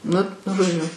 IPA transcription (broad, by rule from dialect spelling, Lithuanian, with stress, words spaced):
ˈnʊ ʒoːˈd͡ʒʲʊ